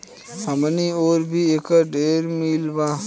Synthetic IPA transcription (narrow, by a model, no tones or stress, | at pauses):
həmnioːɾbʱiekəɖeːɾmilba